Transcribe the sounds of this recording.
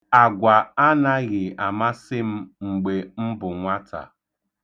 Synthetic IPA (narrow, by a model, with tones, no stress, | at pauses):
a˨ɡʷa˨a˦na˦ɣɪ˨a˨ma˦sɪ˦m̩˦ŋ͡m̩˨ɡ͡be˨m̩˦bʊ˨ŋʷa˦tʰa̰˨